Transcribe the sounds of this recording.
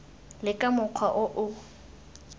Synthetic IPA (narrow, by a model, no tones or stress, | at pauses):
lɪkʼamʊq͡χʰwaʔʊʔʊ